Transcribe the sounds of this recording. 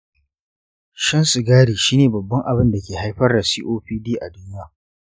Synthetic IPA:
ʃɐ˦nsɪ˨ɡaː˦ɽiː˨ʃiː˦neː˨bɐ˨bːɐ˦ŋʔa˨bɪ˦nda˨kʲeː˨ha˦jɸɐ˦rda˨siː˦ʔoː˦ɸiː˦diː˦ʔa˨dʊ˦n˦jaː˦˨

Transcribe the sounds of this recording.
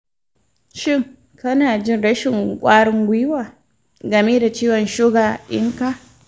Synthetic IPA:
ʃɪ˦ŋ | kɐ˦naː˨d͡ʒɪ˦nɽɐ˦ʃɪ˨ŋkʷʼaː˦ɽɪ˦ŋɡʷi˦waː˨ | ɡɐ˨me˦da˨t͡ʃiː˦wɔ˨nʃʊ˦ɡaː˨ʔɪ̰˦ŋka˦˨

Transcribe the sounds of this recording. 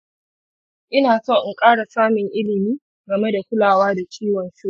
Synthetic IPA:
ʔɪ˦naː˨so˦˨ʔɪ˨ŋkʼaː˦ɽa˨saː˦mɪ˨ŋʔɪ˦lɪ˨miː˦ | ɡɐ˨me˦da˨kʷʊ˦laː˨waː˦da˨t͡ʃiː˦wɐ˨nsu˦

